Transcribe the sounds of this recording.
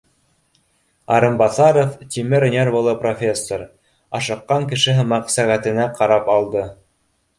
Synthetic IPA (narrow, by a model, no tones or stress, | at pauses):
ɑ̰ɾɤmbɑθɑɾoft̪ʲimɘɾ̆nʲeɾbŭlˠɤprofʲe̞sːoɾ | ɑʃɤ̆qːɑŋkɘ̆ʃɘɦɤmɑqsæʁæt̪ɘ̆næqʰɑɾɑpɑlˠd̪ɤ